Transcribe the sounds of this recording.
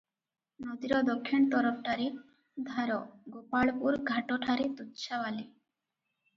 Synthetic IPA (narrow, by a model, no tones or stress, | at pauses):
nɔd̪iɾɔd̪ɔkʰːint̪ɔɾɔpʰʈaɾi | d̪ʱaɾɔɡopaɭpuɾɡʱaʈɔʈʰaɾit̪ut̪ːʃawali